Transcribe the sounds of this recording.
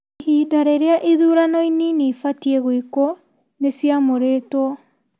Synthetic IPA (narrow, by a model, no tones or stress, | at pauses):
hidaɾeɾeaʔiðuːɾanɔininifatieɣwiko | nesiamoɾetwɔ